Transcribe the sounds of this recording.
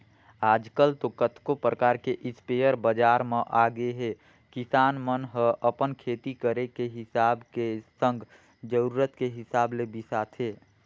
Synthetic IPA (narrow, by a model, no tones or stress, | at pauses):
aːd͡ʒkəlt̪okət̪ʰkopɾəkaːɾkeʔɪspejəɾbəd͡ʒaːɾmẽʔaɡeɦe | kɪsaːnmənɦəʔəpənkʰeːt̪ikəɾekeɦɪsaːbkesə̃ŋɡ | d͡ʒəɾuːɾət̪keɦɪsaːblebisaːt̪ʰɦeː